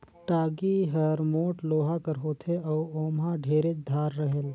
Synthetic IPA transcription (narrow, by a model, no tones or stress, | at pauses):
ʈaːɡiɦəɾmoːʈloːɦakəɾɦoːt̪ʰeɔːoːmãɖʱeːɾet͡ʃd̪ʱaːɾːəɦəl